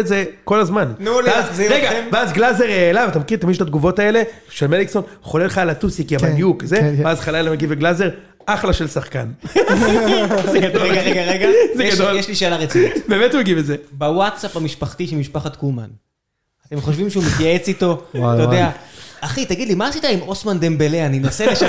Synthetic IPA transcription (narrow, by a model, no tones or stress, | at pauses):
ezeko̞lazmannuleazziʁeɡamveazɡlazeʁelavat̪amekiʁet̪amiʃt̪at̪̚ɡuvo̞t̪ae̞le̞ | ʃelmelikso̞nχoleleχalat̪usikjabadjukzeazχalalameɡiveɡlaze̞ʁ | ʔaχlaʃe̞lsaχkan | zeɡad̪oɡaʁeɡaʁeɡazeɡad̪oljeʃliʃeːlaʁet͡siibeːmetumeɡivezebawat̪sapamiʃpaχt̪iʃimiʃpaχat̪kuman | at̪emχoʃvimʃeumetjaet͡sit̪o̞at̪ajodeaaχit̪aɡid̪limaːsit̪aimosmand̪embeleaninasele